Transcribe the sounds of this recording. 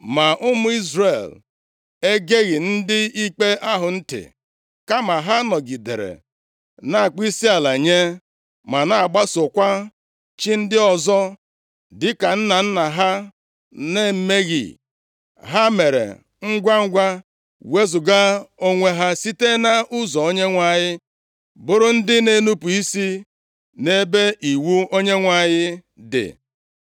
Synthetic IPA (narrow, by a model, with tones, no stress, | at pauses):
ma˨ʔʊ˦mʊ˦i˦zɾe˨l | e˦ɡe˦ɣɪ˨n̩˦dɪ˦i˦k͡pe˦ʔa˦ɦʊ˨n̩˦tɪ̰˨ | ka˦ma˨ɦa˦nɔ˨ɡi˨dḛ˨ɾḛ˨ | na˦a˨k͡pi˦si˦a˨la˨ɲe˦ | ma˨na˨a˨ɡ͡ba˦sʊ˨kʷa˦ | t͡ʃi˦n̩˦dɪ˦ɔ˨zɔ˦ | dɪ˦ka˨n̩˦na˨n̩˦na˨ɦa˦ | ne˦m̩˦me˦ɣḭ˨ | ɦa˦me˨ɾḛ˨ | ŋ̩˦ɡʷa˦ŋ̩˦ɡʷa˦ | we˦zʊ˨ɡa˦o˦ŋʷe˦ɦa˦si˦te˦na˦ʔʊ˦zɔ˨o˦ɲe˦ŋʷa˦˨ɲɪ˦ | bʊ˦ɾʊ˦n̩˦dɪ˦ne˦nu˦pu˨i˦si˦ | ne˦be˦ʔi˨wu˦o˦ɲe˦ŋʷa˨ɲɪ˦ | dɪ̰˨